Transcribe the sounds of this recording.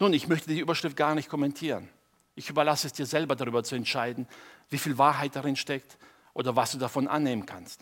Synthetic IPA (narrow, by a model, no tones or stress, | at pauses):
nuːnɪçmœçtədiːʔyːbɐʃʁ̥ɪft̚ɡ̥aːɐnɪçt̚kʰɔmɛntʰiːʁə̰n | ʔɪçʔyːbɐlasəɛsd̥iːɐzɛlbɐdaʁyːbɐt͡suɛntʃaɪdn̩viːfiːlvaːɐɦaɪt̚d̥aʁɪnʃtɛkt | ʔo̰ːdɐvasd̥uːdafɔnʔa̰nːeːmənkʰanst